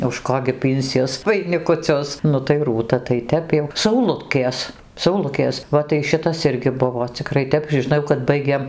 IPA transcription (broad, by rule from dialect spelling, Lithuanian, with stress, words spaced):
ʊʃ ˈkoː ɡʲɪ ˈpʲiːnʲsʲiɛs ʋɐɪnʲɪkʊˈt͡sʲʊs ˈnʊ tɐɪ ˈruːtɐ tɐɪ ˈtʲɛp jɛʊ sɐʊˈlˠʊtʲkʲeːs sɐʊˈlˠʊkʲeːs ˈʋɐ tɐɪ ˈʃʲɪtɐs ˈɪrʲɡʲɪ ˈbʊʋoː t͡sʲɪˈkrɐɪ ˈtʲɛp ʒʲɪˈnɐʊ kɐt ˈbɐɪɡʲeːm